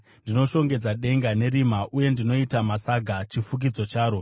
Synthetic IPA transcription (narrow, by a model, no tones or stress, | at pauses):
ndino̞ʃo̞ŋɡe̞d͡zaɗe̞ŋɡane̞ɾimaʔuje̞ndino̞itamasaɡʱat͡ʃifuk̬id͡zo̞t͡ʃaːɾo̞